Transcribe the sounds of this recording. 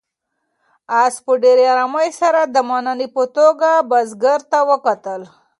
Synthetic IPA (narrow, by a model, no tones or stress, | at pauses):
ɑspəɖeɾeɑɾamajsaɾad̪əmananipət̪oɡabazɡəɾt̪awəkat̪əl